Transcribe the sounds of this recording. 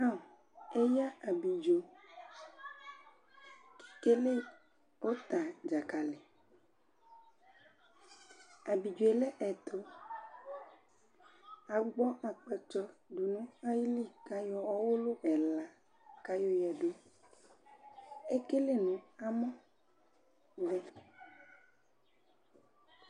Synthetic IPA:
a˦˨ | e˦ja˦a˨bi˨d͡ʒo˨ | ki̥˨ke˦le˦ | wo˦t̪a˨d͡ʒa˨ka˨le˨ | a˨bi˨d͡ʒo˨e˨lɛ˦ʔɛ˨t̪ʰo˦ | a˨ɡ͡bɔ˦ʔa˨k͡pɛ˨t͡ʃɔ˦ɖu˨nũ˦a˦ji˦li˦˨ka˦jɔ˦wɔ˦wo˦lo˦ɛ˨la˨ | ka˦jɔ˦jɛ˨ɖo˦ | e˦ke˦le˦nũ˨a˦mɔ̃˦ | vɛ˦

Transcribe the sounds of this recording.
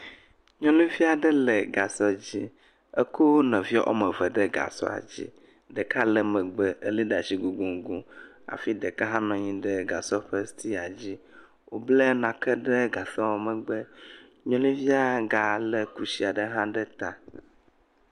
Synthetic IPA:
ɲɔ̃˦lĩ˦vi˦a˨ɖə˦lɛ˨ɡa˨sɔ˦d͡ʑi˦ | ə˦ko˦nɛ̃˨vi˦ɔ˦ʔɔ̰˦mɛ˨və˨ɖə˦ɡa̰˨sɔ̰˦a̰˨d͡ʑḭ˦ | ɖə˨ka˦lɛ˨mɛ̃˨ɡ͡bə˦ə˦li˦ɖa˨si˨ɡu˨ɡũ˨ŋ˦ɡu˦ | a̰˨fi˦ɖə˨kə˦ɦã˦nɔ̃˨ɲĩ˦ɖə˦ɡa˨sɔ˦ɸə˦st̪i˦a˨d͡ʑi˦ | wo˨blə˦nã˨kɛ˦ɖə˦ɡa˨sɔ˦wɔ˨mɛ̃˨ɡ͡bə˦ | ɲɔ̃˦lĩ˦vi˦a˦˨ɡa˨lɛ˨ku˦si˨a˨ɖə˦ɦã˦ɖə˦t̪a˨

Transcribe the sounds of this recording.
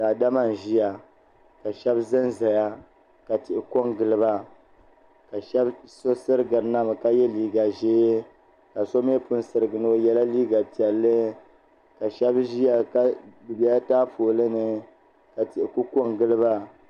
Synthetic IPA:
daː˨da˦ma˨n˨ʒi˦ja˨ | ka˨ʃɛ˦bzɨ˦nza˨ja˦ | ka˨tɪ˨ʔɪ˨ko˦ŋɡɨ˦lɨ˦ba˦ | ka˨ʃɛ˦bso˦sɨ˦ɾɨ˦ɡɨ˨ɾna˦m˨ka˦jɛ˦liː˦ɡa˨ʒe˦ | ka˨so˦m˦e˦pʊ˦nsɨ˨ɾɨ˨ɡɨ˨no˦jɛ˦la˦liː˦ɡa˨pi˨ɛ˨lːɨ˦ | ka˨ʃɛ˦bʒi˦ja˨ka˦bɨ˨bɛ˦a˦taː˦foː˨lɨ˦nɨ˨ | ka˨ti˨ʔɪ˨ku˦ko˦ŋɡɨ˦lɨ˦ba˦

